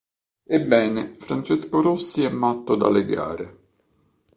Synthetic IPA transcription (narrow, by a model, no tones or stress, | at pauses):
ebːɛːnefɾant͡ʃeskoɾosːiɛmːat̪ːod̪a̰leɡa̰ːɾe